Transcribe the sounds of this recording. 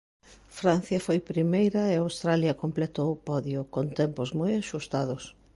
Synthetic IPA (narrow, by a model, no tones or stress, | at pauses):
fɾan̟θjɐfojpɾimejɾɐɪawst̪ɾaljɐkomplet̪owʊpɔðjʊkont̪ɛmpʊzmojaʃust̪aðʊs